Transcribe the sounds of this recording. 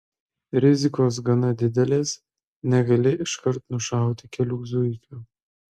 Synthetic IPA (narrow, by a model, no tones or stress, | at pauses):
ɾʲɪzʲɪkoːs̬ɡɐnɐd̪ʲɪd̪ʲɛlʲeːs | nʲɛɡɐlʲɪʔɪʃkɐɾt̪nʊʃɑˑʊt̪ʲɪkʲɛlʲʊɡzʊɪkʲuː